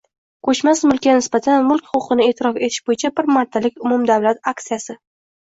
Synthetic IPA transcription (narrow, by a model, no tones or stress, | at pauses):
kʰɵt͡ʃmasmʊlˠkʲːanɪsbat̪ʰanmʊlˠkʲχʊqɨnɪe̞ːt̪ʰɪɾɒfe̞t̪ʰɪ̥ʃbojɪt͡ʃʰabɪɾmaɾt̪ʰːalɪkʲʊmʊmd̪awlat̪ak̚t̪sijasɪ